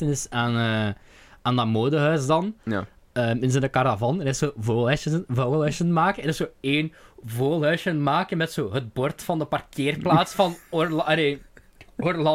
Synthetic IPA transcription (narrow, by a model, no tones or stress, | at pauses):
ənɪsaːnə | aːndɑmoːdəɦœɥsdɑn | əːmɪnzəndəkɑravɑnɾɪssoːvoːlˠɦœsəvoːlœɥsənmaːkəɛɾɪsoːeːnvoːlˠɦœɥsənmaːkənmɛtsoːɦət̚bɔrtfɑndəpɑrkʰeːrplaːtsfɑnorlɑleː | orlɑ